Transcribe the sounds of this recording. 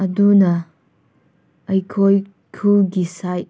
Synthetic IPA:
ɐdunɐ | ɐjkʰoj | kʰuɡisaj

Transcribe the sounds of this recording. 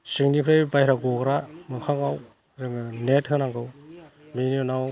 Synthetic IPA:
sɯŋnipʰɾejbajɾaɡɔɡɾamɯkʰaŋaw | zɯŋnetɦɯnaŋɡɯwminiunaw

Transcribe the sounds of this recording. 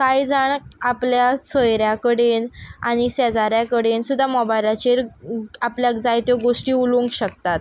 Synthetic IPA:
kajd͡zaɳapljasəjɾjakəɽenaɽ̃isɛd͡zaɾjakəɽensud̪ʱːamɔbajlat͡ɕeɾapljakd͡zajt̪eɡoʂʈiːuluŋkɕək̚t̪at̪̚

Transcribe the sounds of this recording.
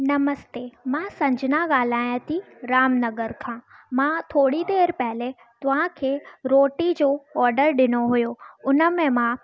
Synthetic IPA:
nɐməst̪eːmãːsɐ̃ɲd͡ʑʱɪnaɠaːl̤aːj̃t̪ʰi | ɾaːmnɐɡəɾkʰãːmãt̪ʰoːɽid̪eːɾpɐɦɪle | t̪ʊʋ̤ãkʰeːɾoːʈid͡ʑoːɔːɾɖəɾɗɪnoɦujoʊnə̆mẽmã

